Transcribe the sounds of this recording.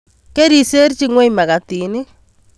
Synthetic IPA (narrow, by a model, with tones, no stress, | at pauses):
ke˦ɾi˨se˦ɾt͡ʃi˦ŋwe˦ima˨ɣa˨ti˨ni˦